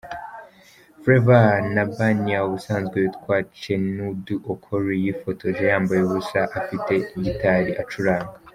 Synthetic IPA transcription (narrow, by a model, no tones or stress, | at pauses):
fɾevanabaniausaːnzɡweβitkwaːt͡ʃe̞nuduʔokʰoɾwejifo̞tʰo̞ʒejaːmbajeβusaʔafite̞ɟitaɾiʔat͡ʃuɾaːŋɡa